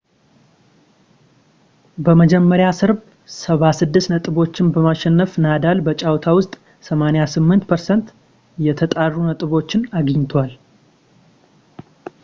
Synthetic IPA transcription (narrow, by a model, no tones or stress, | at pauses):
bəməd͡ʒɛmːəɾjasɨɾb | səβasɨd̪ːɨsnət̪ʼɨβo̞t͡ʃːɪnbəmaʃɛnːəfnad̪albət͡ʃʼawt̪ʰawʊst̪ʼ | səmanejasɨmːɨnt̪pʰəɾsɛnt̪ | jɛt̪ʰət̪ʼarːunət̪ʼɨβo̞t͡ʃːɪnaɡɲːt̪ʰwal